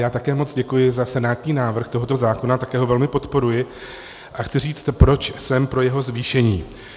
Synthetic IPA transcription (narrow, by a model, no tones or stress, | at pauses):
jaːt̪akɛːmo̞t͡sɟɛkujɪzasɛnaːt̪ɲiːnaːvr̩xt̪o̞ɦo̞t̪o̞zaːko̞nat̪akɛːɦo̞vɛlmɪpo̞t̪po̞ɾujɪ | ʔaxt͡sɪr̝iːt͡st̪pɾo̞t͡ʃsɛmpɾo̞jɛɦo̞zviːʃɛɲiː